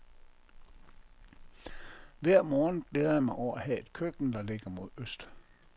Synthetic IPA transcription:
ʋæɐ̰mɒːn̩b̥leːð̞ɐjɑ̈mɑ̈ɪɒʊ̰æhɛe̝d̥kʰøɡ̥n̩d̥ɑ̈le̝ɡ̥ɐmo̝ð̞̰ˠøsd̥

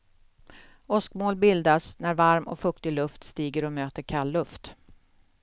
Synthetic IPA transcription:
ɔskmoːlbɪld̪asnæɾvaɾmɔ̰kfɵkt̪ɪlɵft̪st̪iːɡəɾɔmøːt̪əɾkʰalːɵft̪

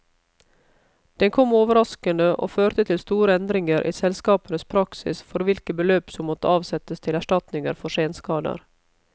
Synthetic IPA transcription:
d̪̥ɛnkʰɔmoːʋəɾɑskənəʔo̰ːføːɾt̪ət̪ʰɪlst̪uːɾəɛnd̪ɾɪŋəɾʔḭːsɛlskɑːpənəspʰɾɑksɪ̰sfɔɾʋɪlkəbəløːpsɔmːɔt̪əɑːʋsɛt̪əst̪ʰɪlæʂʈɑt̪nɪŋəɾfɔʂeːnskɑːd̪ə̰ɾ

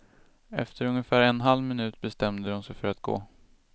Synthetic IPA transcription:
ɛ̰ft̪ʰəɾɵŋjəfæːɾɛnɦalvmɪnʉ̟ːt̪bɛst̪ɛmd̪əʊnsɛjfœɾat̪̚ɡ̥o̰ː

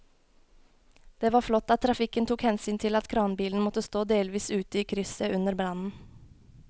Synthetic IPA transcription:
d̪̥eːʋɑːflɔt̪ːɑt̪ʰːɾɑfɪkənt̪ʰuːkhɛnsyːnt̪ʰɪlɑt̪kʰɾɑːnbiːln̩mɔt̪əst̪oːd̪eːlʋiːsʉːt̪əiːkʰɾʏsəʉnəɾbɾɑnn̩

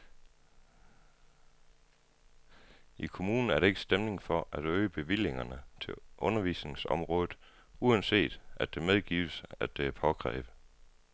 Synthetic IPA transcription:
ikʰo̝muːnn̩æɐɾ̥ee̝ɡ̥sd̥emne̝ŋfɒ̽ʔæɾ̥øːəb̥e̝ʋil̰e̝ŋɐnət͡sʰe̝ʔɔ̽nɐʋḭːsne̝ŋsɒ̽mʁɔ̽ːð̩ˠ | uænse̝̰ːd̥æd̥e̝með̞ˠɡ̥ḭːʊəsæd̥epʰɒ̽ɡ̥ʰʁɛ̰ːb̥ə

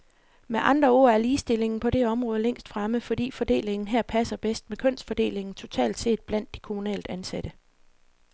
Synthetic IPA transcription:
meʔɑ̈nd̥ʁɐo̝̰ːæɐliːsd̥e̝le̝ŋn̩pʰɒ̽ɾ̥e̝ɒ̽mʁɔ̽ːð̞ˠəleŋ̰sd̥fʁaməfɒ̽d̥ḭːfɒ̽d̥e̝̰ːle̝ŋn̩ɦeɐ̰pʰæsɐb̥esd̥mekʰɔn̰sd̥fɒ̽d̥e̝̰ːle̝ŋn̩t͡sʰo̝t͡sʰɛ̰ːld̥se̝̰ːd̥̚b̥læn̰d̥ːi̥kʰo̝munɛ̰ːld̥ænsæd̥ə

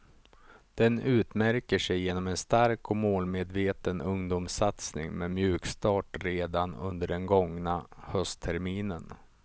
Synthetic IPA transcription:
d̪̥ɛnʉ̟ːt̪mæɾkəʂɛjːeːnɔmɛnst̪aɾkɔmoːlmeːd̪veːt̪ənɵŋd̪umsat̪snɪ̰ŋmemjʉ̟ːkst̪ɑːʈɾeːd̪anɵ̰nd̪əɖɛnɡɔŋnahœst̪ʰɛɾmiːnən

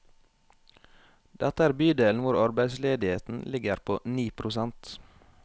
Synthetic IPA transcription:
d̪̥ɛt̪əæːɾbyːd̪eːln̩ʋʊɾɑɾbæɪsleːd̪ɪheːt̪n̩lɪɡəɾpʰo̰ːniːpʰɾʊsɛnt̪

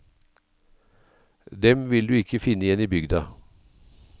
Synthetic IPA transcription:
d̪ɛmʋɪld̪ʉːɪkəfɪnəɪjɛniːbʏɡd̪ɑ

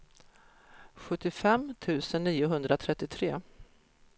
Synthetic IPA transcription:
ɧɵt̪ːɪfɛmt̪ʰʉ̟ːsənːiːʊɦɵnd̪ɾat̪ʰɾɛt̪ːɪt̪ʰɾeː

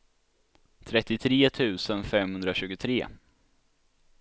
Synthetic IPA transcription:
t̪ʰɾɛt̪ːɪt̪ʰɾeːt̪ʰʉ̟ːsənfɛmhɵnd̪ɾaɕʉ̟ːɡʊt̪ʰɾeː

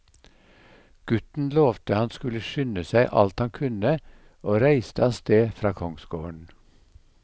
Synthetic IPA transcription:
ɡ̥ʉt̪n̩loːʋt̪ʰəhɑnskʉləʃʏnəsæɪʔɑ̰lt̪hɑŋkʰʉnə | oːɾæɪst̪əɑːst̪eːfɾɑːkʰɔŋsɡoːɳ

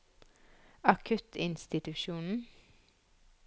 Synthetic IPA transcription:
ɑkʰʉt̪ʰɪnst̪ɪt̪ʉʃuːnn̩

